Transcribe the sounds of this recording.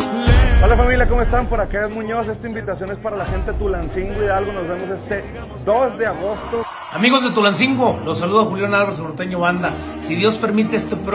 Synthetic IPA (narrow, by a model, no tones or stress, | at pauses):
olafamiljakomoest̪ampoɾakeezmũɲo̞s̬e̞st̪aimbit̪asjo̞nespaɾalaxent̪et̪ulansiŋɡwiðealɣonozβemose̞st̪e̞ | d̪ozd̪e̞aɣost̪o | amiɣo̞zðe̞t̪ulansiŋɡwolo̞saluðoaxuljanalβaɾes̬moɾt̪eɲoβand̪a | siðjo̞spe̞ɾmit̪eest̪epɾ